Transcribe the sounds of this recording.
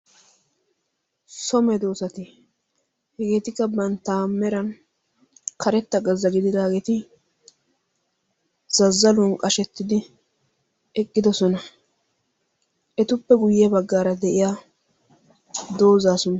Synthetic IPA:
sɔmɛd̪o̞ːsɐt̪ɪ | hɛɡe̞ːt̪ɪkːɐbɐnt̪ːaːmːɛɾɐn | kʰɐɾɛt̪ːɐɡɐzːɐɡɪd̪ɪd̪aːɡeːt̪ɪ | z̥ɐzːɐlɔnkʼɐʃɛt̪ːɪd̪ɪ | ɛkʼːɪd̪ɔsɔnɐ | ʔɛt̪ʊpːɛɡʊjɛbɐɡːaːɾɐd̪ɛʔɪja | d̪o̞ːzaːsɔn

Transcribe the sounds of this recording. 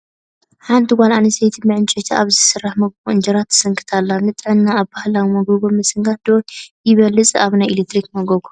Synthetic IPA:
ħant̪ʰiɡʷalanɨsejt̪ʰimɨʕɨnt͡ʃʼɛt̪ʰiaβzɨsɨrːaħmɐɡβuɨnd͡ʒɐɾat̪ʰːɨ̥sɨŋkʰɨ̥t̪ʰalːanɨt̪ʼɨʕɨnːaːβbahlawimɐɡoβomɨsɨŋɡat̪̚d̪̥ojɪβɐlːɨt͡sʼaβnajɪlet̪ʰɾikmɐɡɐβu

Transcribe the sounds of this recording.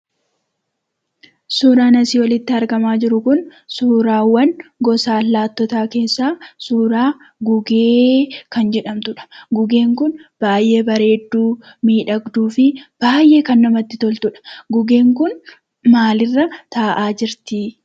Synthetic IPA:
suːɾaːnɐsiːwɐlɪt̪ːɪɐɾɡɐmaːd͡ʒɪɾʊkʊnsuːɾaːwːɐnɡɔsaːlːaːt̪ːɔt̪aːke̞ːsːaːsuːɾaː | ɡʊɡeːkɐnd͡ʒɛᶑɐmt̪ʊᶑɐ̥ɡʊɡe̞ːŋkʊnb̥aːjʔe̞ːbɐɾe̞ːd̪ːuː | miːᶑɐɡd̪uːfɪb̥aːjʔe̞ːkɐnːɐmɐt̪ːɪt̪ɔlt̪ʊᶑɐ̥ɡʊɡe̞ːŋkʊn | maːlɪrːɐt̪aːʔaːd͡ʒɪɾt̪ɪ

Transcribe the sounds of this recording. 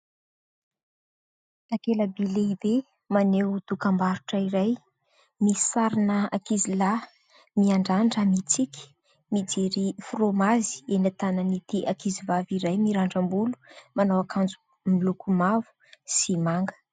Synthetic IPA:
akeləbileibe | manewt̪ukambaɾuʈ͡ʂəiɾaj | misaɾinəa̰kizila | miaɳɖ͡ʐaɳɖ͡ʐəmit͡sikʲi̥ | mid͡ʒeɾifromazi̥enat̪anənit̪iʔakizivaviɾajmiɾaɳɖ͡ʐambulu̥manawakand͡zu | milukumavu̥simaŋɡə̥

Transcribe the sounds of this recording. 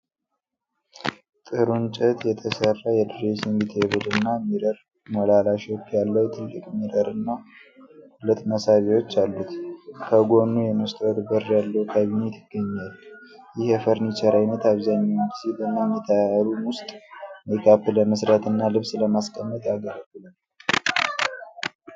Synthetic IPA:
t̪ʼɨɾunt͡ʃʼət̪jɛt̪ʰəsərːajɛdɨɾesinɡit̪ʰeβud̪ɨnːamiɾəɾ | molalaʃot͡ʃːjalːəwut̪ʰɨlːɨkʼmiɾəɾɨnːa | lɨt̪ʼməsaβewo̞t͡ʃːalːut̪kʰəɡo̞nːujɛmɨst̪ʼwod̪bəɾjalːəwkʰaβinet̪ʰɪ̥ɡːəɲːal | jɪhɛfəɾnit͡ʃəɾajnət̪aβzaɲːawndsit̪ɨnːamːit̪ʰaaɾumwʊst̪ʼməjkʰapːɨləməsɾat̪ɨnːalɨβsləmaskʼəmːət̪jaɡəɾəɡɨlən

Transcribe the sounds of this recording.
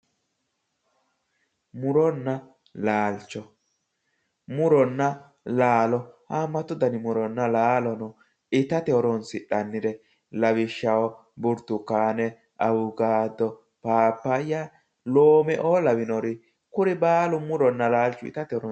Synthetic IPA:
mʊɾɔnːɐ | laːlt͡ʃːɔ | mʊɾɔnːɐ | laːlɔhamːɐt̪ːʊd̪ɐnɪmʊɾɔnːɐlaːlɔnɔ | ɪt̪ɐt̪ɛɔɾɔnsɪɗɐnːɪɾɛ | lɐwɪʃːɐwɔ | bʊɾt̪ːʊkːaːnɛ | ʔɐwʊɡaːd̪ɔ | paːpːɐjːa | loːmɛʔoːlɐwɪnɔɾɪ | kʊɾɪbaːlʊmʊɾɔnːɐlaːlt͡ʃːʊɪ̰t̪ɐt̪ɛɔɾɔ

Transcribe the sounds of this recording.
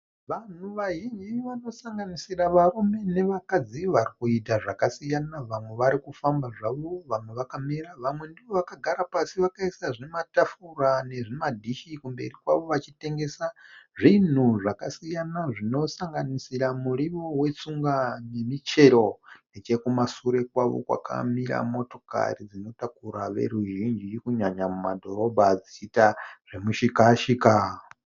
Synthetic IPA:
ʋan̤uʋaɦind͡ʒiʋano̞saŋɡanisiraʋaɾume̞ne̞ʋakad͡ziʋaɾikuitaʐakasijanaʋamwe̞ʋaɾikufambaʐaʋo̞ʋamwe̞ʋakamiɾaʋamwe̞ndiʋo̞ʋakaɡʱaɾapasiʋakaisaʐematafurane̞ʐimadʱiʃikumbe̞̰rikwaʋo̞ʋat͡ʃite̞ŋɡe̞saʐin̤uʐakasijanaʐino̞saŋɡanisiɾamuɾiʋo̞we̞t͡suŋɡane̞mit͡ʃe̞ɾo̞net͡ʃe̞kumasuɾe̞kwaʋo̞̰kwa̰kʰa̰miɾa̰mo̞to̞ka̰rid͡zino̞takuɾaʋe̞̰ɾuʒind͡ʒikuɲaɲamumadʱo̞ɾo̞bʱad͡ziitaʐ̥emuʃikaʃika

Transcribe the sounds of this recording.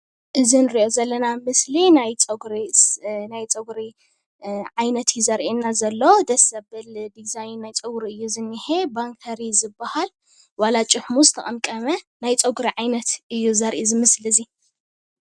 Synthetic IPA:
ʔɨzinɨɾiʔo̞zɐlːɐnamɨslinajt͡sʼɐɡɾinajt͡sʼɐɡɾi | ʕajnɐt̪ʰjuzɐɾʔenːazɐlːɐwd̪ɐsɐbɨld̪izajnːajt͡sʼɨɡɾiɨjːuzɨnːiħebaŋkʰɐɾizɨbːahal | walat͡ʃʼɪħmuzɨt̪ʰɐkʼɐmkʼɐmɐnajt͡sʼɐɡɾiʕajnɐt̪ʔɨjːuzɐɾʔizɨmɨslɨzi

